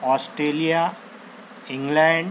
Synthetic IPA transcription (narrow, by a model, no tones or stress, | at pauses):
ɔːsʈɾeːlija | ĩŋɡlɛ̃ɳɖ